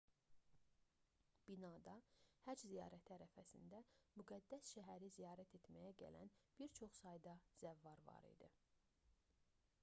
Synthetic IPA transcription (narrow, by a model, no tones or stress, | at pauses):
b̥inɑːd̪ɑhæd͡ʒzijɑːɾæt̪ʰiæɾæfæsḭnd̪æmyɡæd̪ːæsʃæɦæɾizijɑːɾæt̪ʰe̞t̪mæjæɟæ̰læ̰nb̥iɾt͡ʃʰo̞χsɑjd̪ɑz̥ævːɑɾvɑ̰ɾḭd̪i